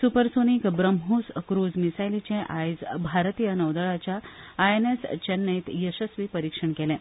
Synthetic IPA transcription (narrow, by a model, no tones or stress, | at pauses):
supəɾsonikbɾəmɦoskɾud͡zmisajlit͡ɕẽʔajd͡zbʱaɾt̪ijənəʋd̪əɭat͡ɕjaːenest͡ɕənːəit̪jəɕəsʋiːpəɾikʂəɳkelẽ